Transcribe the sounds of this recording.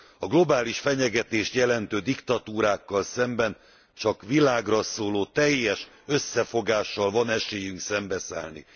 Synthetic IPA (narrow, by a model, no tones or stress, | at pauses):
ɒɡlo̞baːliʃfɛɲɛɡɛt̪eːʃt̪jɛlɛnt̪øːd̪ikt̪ɒt̪uːɾaːkːɒlsɛmbɛn | t͡ʃɒkʋilaːɡrɒsoːloːt̪ɛjːɛʃ | øsːɛfo̞ɡaːʃːɒlvɒnɛʃeːjyŋksɛmbɛsa̰ːlnḭ